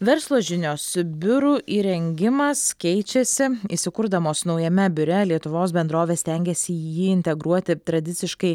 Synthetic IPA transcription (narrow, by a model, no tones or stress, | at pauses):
ʋʲɛɾslˠoːʒʲɪnʲoːsbʲʊɾuʔiːɾʲɛŋʲɡʲɪmɐskʲɛɪt͡ʃʲɛsʲɪisʲɪkʊɾd̪ɐmoːsnɒʊjɛmʲɛbʲʊɾʲɛlʲiɛt̪ʊʋoːsbʲɛnd̪ɾoːʋʲeːsʲt̪ʲɛŋʲɡʲɛsʲɪjiːɪnʲt̪ʲɛɡɾuɔt̪ʲɪt̪ɾɐd̪ʲɪt̪sʲɪʃkɐɪ